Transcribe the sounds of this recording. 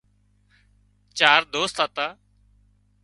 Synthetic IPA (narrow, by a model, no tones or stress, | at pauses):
t͡ʃaːɾd̪oːst̪aːt̪aː